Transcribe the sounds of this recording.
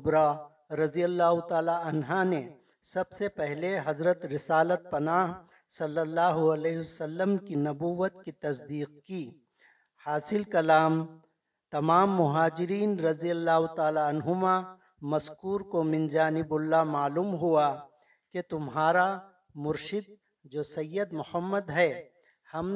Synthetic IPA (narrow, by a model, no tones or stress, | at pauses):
bɾa | ɾɐzijəlːaːɦʊt̪aːlaɐnɦane | sɐbsepɛɦleɦɐzɾət̪ɾɪsaːlət̪̚pɐnaːɦ | sɐlːəlːaːɦuɐleːɦʋɐsɐlːəmkinɐbuːʋət̪kit̪ɐsd̪iːq̚ki | haːsɪlkɐlaːm | t̪ɐmaːmːʊɦaːd͡ʒɪɾiːnɾɐzijəlːaːɦʊt̪aːlaɐnɦʊma | mɐskuːɾkomɪ̃nd͡ʒaːnɪbʊlːamaːluːmɦua | ket̪ʊmɦaːɾa | mʊɾʃɪd̪̚ | d͡ʒoːsɐjːəd̪mʊhəmːəd̪ɦɛ | hɐm